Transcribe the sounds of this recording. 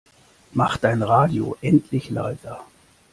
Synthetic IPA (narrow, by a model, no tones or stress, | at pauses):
maχtd̥aɪnʁaːdio̰ʔɛntʰlɪçla̰ɪtɐ